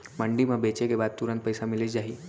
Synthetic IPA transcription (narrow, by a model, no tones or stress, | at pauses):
məɳɖimãbet͡ʃekebaːd̪̚t̪uɾə̃nt̪̚pəjsamɪled͡ʒaːɦiː